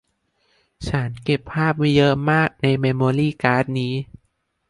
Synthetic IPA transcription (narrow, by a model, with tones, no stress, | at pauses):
t͡ɕʰa˦˥nke˨˩pʰːaː˥˩p̚ma˧jɤː˧mːaː˥˩k̚na˧jmeː˧moː˧liː˥˩kaː˦˥t̪̚niː˦˥